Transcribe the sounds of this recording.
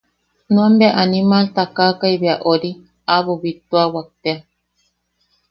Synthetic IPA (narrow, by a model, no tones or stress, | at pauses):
nũambeaʔanimalt̪akaːkajβeaʔoɾi | aβoβit̪oawak̚t̪ea